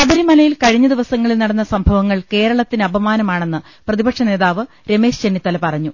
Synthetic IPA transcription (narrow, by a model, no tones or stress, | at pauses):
ɐðɐɾimɐlɐjilkɐɻiɲːɐd̪iʋɐsɐŋːɐɭilnɐɽɐnːɐsɐmbʱɐʋɐŋːɐɭke̞ːɾɐɭɐt̪ːinɨɐbɐmaːnɐmaːɳe̞nːɨ | prɐðibɐkʂɐne̞ːðaːʋɨ | ɾe̞me̞ːʂt͡ɕenːit̪ːɐlɐpɐrɐɲːu